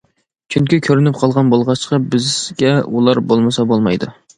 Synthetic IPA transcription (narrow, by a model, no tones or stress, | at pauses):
t͡ʃʰyŋkʲikʲʰøɾynɪp̚qʰɑlˠʁɑnbolˠʁɑt͡ʃqʰɑbɪzɡʲɛṵlˠɑɾbolˠmɨsɑbolˠmɑjd̪u